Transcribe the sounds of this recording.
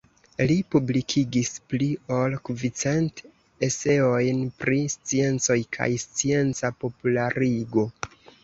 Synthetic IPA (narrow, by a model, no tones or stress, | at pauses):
lipublikʰiɡisplio̞lkvit͡se̞nt | e̞se̞o̞jnpɾist͡sie̞nt͡so̞jkʰa̰jst͡sie̞nt͡sapo̞pulaɾiɡo̞